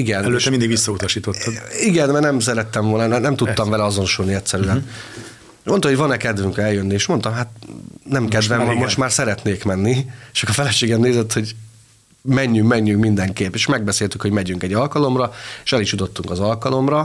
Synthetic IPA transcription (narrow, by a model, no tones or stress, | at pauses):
iɡɛnɛlømind̪iɡʋisːɒut̪ɒʃiːt̪ot̪ʰːɔd̪iɡɛnmɛrnɛms̬ɛɾɛt̪ːɛɱvo̞lnnnɛmt̪ut̪ːɒmvɛlɛɒzo̞noʃulniɛt̪sɛɾyɛn | mo̞nt̪ɑmhovɒnɛkɛd̪vyŋkɛljønːieːʃmo̞nt̪ɒmɦaːt̪nɛmkɛd̪vɛmvɒmːoʃt̪maːrsɛɾɛt̪neːkmɛnːit͡ʃɒkɒfɛlɛʃeːɡɛmneːzɛt̪ho̞ɟ | mɛɲːyŋkmɛɲːyŋkmind̪ɛŋkeːpeːʃmɛɡ̚bɛseːlt̪ykho̞ɟmɛɟyŋkɛɟːɒlkɒlo̞mrɒeʃɛliʃjut̪o̞t̪ːuŋkɒzɒlkɒlo̞mrɒ